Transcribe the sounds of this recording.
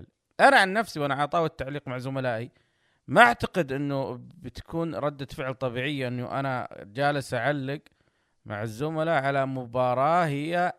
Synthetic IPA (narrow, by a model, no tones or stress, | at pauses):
l | ʔanaʕanːafsiwʔanaʕɑt̪ˤɑːwɪt̪ːaʕliːqmaʕzʊmalaːʔi | maʔaʕt̪aqɪd̪ʔɪnːubɪt̪ḁkuːnɾˤɑd̪ːafɪʕlt̪ˤɑbiːʕɪjːaʔɪnːṵʔa̰nad͡ʒaːlɪsʔaʕalːɪɡ | ma̰ʕɪzːʊmalaʕalamʊbɑːɾˤɑːhɪjːa